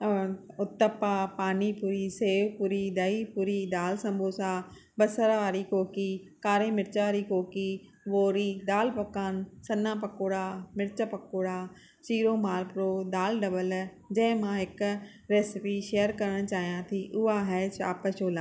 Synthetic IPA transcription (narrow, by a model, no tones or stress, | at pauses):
ʊt̪ːəpːaːpaːniːpuːɾiːseːʋpuːɾiːd̪aiːpuːɾiːd̪aːlsɐ̃mbʱoːsaː | bəsəɾaːɾiːkoːkiːkaːɾẽːmɪɾt͡ʃaɾiːkoːkiː | ʋoːɾiːd̪aːlpəkaːnsɐnːãːpəkoːɽaːmɪɾt͡ʃəpɐkoːɽaː | t͡ʃiːɾoːmaːlpɾoːd̪aːlɖəbəl | d͡ʒɛ̃ːmãːɦɪk | ɾeːsɪpiːʃeːəɾkɐɾəɽ̃t͡ʃaːɦjãːt̪ʰiːʔʊaːɦɛːt͡ʃa̰ːpəʃoːlaː